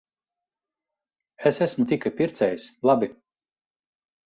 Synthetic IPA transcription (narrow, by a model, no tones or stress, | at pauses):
esæsmut̪ʲikapʲiɾt̪sɛjslˠabʲi